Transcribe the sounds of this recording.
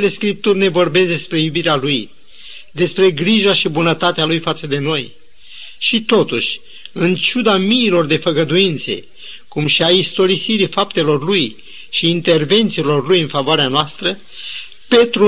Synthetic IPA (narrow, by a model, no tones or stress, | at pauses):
ele̞skɾip̚t̪urʲne̞vo̞rbe̞sd̪e̞spɾe̞jubiɾealuj | d̪e̞spɾe̞ɡɾiʒaʃibunət̪at̪ealujfat̪səd̪e̞no̞j | ʃit̪o̞t̪uʃʲ | ɨnt͡ʃud̪amiːlo̞rd̪e̞fəɡəd̪uint̪se̞̰ | kumʃiaist̪o̞ɾisiɾifapt̪e̞lo̞rluj | ʃiːnt̪e̞rve̞nt̪silo̞rlujɨnfavoaɾeanoast̪ɾə | pe̞t̪ɾu